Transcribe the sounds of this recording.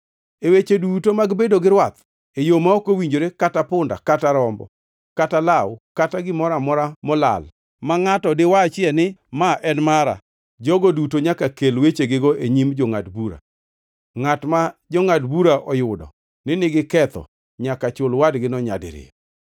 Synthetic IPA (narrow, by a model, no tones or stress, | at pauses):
ewet͡ʃedutomaɡbedoɡɪɾwat̪ | ejomaɔkowiɲd͡ʒoɾekatapʊnda̰kataɾɔmbɔ̰ | katalawkataɡɪmɔɾamɔɾamɔla̰l | maŋatɔdɪwat͡ʃɪɛnɪmaʔɛnmaɾa̰ | d͡ʒɔɡɔdutoɲakakelwet͡ʃeɡɪɡoʔeɲimd͡ʒɔŋa̰dbuɾa̰ | ŋatmad͡ʒɔŋadbuɾaʔɔjʊdɔ̰ | nɪnɪɡɪkɛt̪ɔ̰ | ɲakat͡ʃʊlwadɡɪnɔɲa̰dɪ̰ɾɪ̰